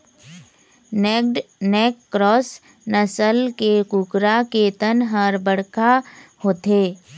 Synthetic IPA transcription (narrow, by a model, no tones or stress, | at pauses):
nek̚ɖneːkːɾɔːs | nəsəlkekʊkɾakeːt̪ənɦəɾbəɽkahoːt̪eː